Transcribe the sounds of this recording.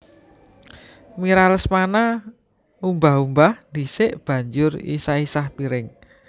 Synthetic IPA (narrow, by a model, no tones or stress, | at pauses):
miɾaləsmana | umbaɦumbahnd̪isɪʔb̥ä̤ɲd͡ʒʊrḭsaisahpiɾɪŋ